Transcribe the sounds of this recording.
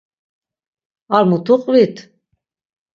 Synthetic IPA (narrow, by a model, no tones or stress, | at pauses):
aɾmut̪ʰuqʼvit̪ʰ